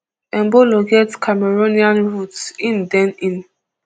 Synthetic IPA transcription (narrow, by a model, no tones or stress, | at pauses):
ɛ̃nboloɡetkʰamɛɹoniãnɹutsĩndɛ̃nĩn